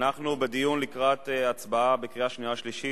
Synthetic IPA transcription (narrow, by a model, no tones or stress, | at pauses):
naχnubed̪ijunlikʁat̪eat͡sbaabekʁiaʃniaʃliʃi